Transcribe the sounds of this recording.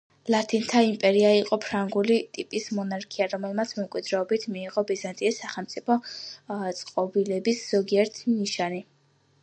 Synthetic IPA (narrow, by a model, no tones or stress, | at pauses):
lˠat̪ʰʼint̪ʰaimpʼɛɾiaiqʼɔpʰɾaŋɡulit̪ʼipʼismɔnaɾkʰiaɾɔmɛlˠmat̪sʰmɛmkʼwid̪ɾɛɔbit̪ʰmiːʁɔbizant̪ʼiisaχɛlˠmt̪sʼipʰɔ | t̪sʼqʼɔbilɛbisz̥ɔɡiɛɾt̪ʰniʃani